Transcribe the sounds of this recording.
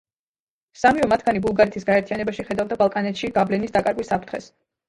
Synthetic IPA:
samivɛmat̪ʰɡanibulˠɡaɾɛt̪ʰisɡaɛɾt̪ʰijanɛbaʃiχɛd̪avd̪abalˠkʼanɛt̪ʃiɡablɛnisd̪akʼaɾɡwisːapʰɾt̪ʰχɛ̰s

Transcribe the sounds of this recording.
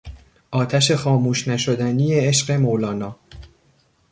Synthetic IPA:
ʔɒːt̪ʰæʃe̞xɒːmuːʃnæʃod̪ænijeeʃɢe̞molɒːnɒː

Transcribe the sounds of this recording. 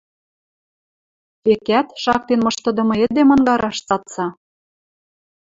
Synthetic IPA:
ekæt̪ʃɑk̚t̪enmɤ̆ʃt̪ɤ̆d̪ɤ̆mɤ̆ĕd̪emɤ̆nɡɑɾɑʃt͡sɑt̪t͡sɑ

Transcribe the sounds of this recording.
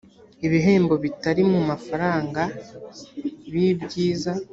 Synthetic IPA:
iβiɦe̞ːmbo̞βitaɾimumafaɾaːŋɡa | βibɟiːza

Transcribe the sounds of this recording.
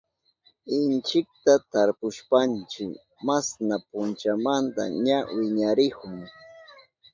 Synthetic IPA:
ɪnt͡ʃɪk̚t̪at̪aɾpʊʃpant͡ʃɪk | masnapʊnt͡ʃamant̪a̰ɲawɪɲaɾɪkʊŋ

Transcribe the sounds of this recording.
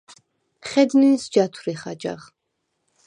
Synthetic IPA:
χɛd̪ninsd͡ʒat̪ʰwɾiχad͡ʒa̰ʁ

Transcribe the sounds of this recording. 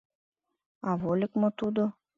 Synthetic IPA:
ɑβolʲɘkmot̪ud̪o

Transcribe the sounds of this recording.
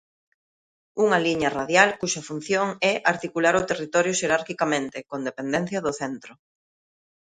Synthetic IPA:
uŋɐliɲɐraðjalkuʃɐfun̟θjoŋɛʔaɾt̪ikulaɾʊt̪erit̪ɔɾjʊʃeɾaɾkikamẽnt̪ɪkond̪epend̪ɛn̟θjɐðʊθɛnt̪ɾʊ

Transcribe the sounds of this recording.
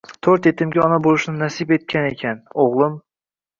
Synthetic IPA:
t̪ʰɵɾt̪et̪ʰɪmɡʲɪɒnabolˠʊʃnɪnæsibet̪̚kʲanekʲʰanoʁlˠɨm

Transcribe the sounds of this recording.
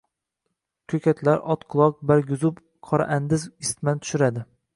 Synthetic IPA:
kʲʰɵkʲʰat̪ʰlaɾʔɒt̪qʰʊlˠɒq̚baɾɡʲʊzʊp | qʰɒɾa̰ʔand̪ɪzɪst̪mant̪ʰʊ̥ʃɪɾad̪ɪ

